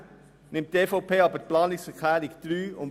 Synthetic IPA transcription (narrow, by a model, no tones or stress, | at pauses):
nɪmt̚d̥eːfopʰeːɔbəplɑːnɪsɛkʰlæːɾɪɡd̥ɾyːʊm